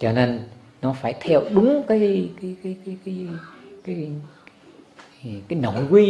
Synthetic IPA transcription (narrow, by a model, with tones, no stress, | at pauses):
t͡ɕɔ˧ne˧n | nɔ˨˦faː˧˩jt̪ʰɛ˧wɗʊ˨˦ŋ͡mkaː˨˦jkaː˨˦jkaː˨˦jkaː˨˦jkːjkaː˨˦j | kaː˨˦jno̰˧˩˨jkwi˧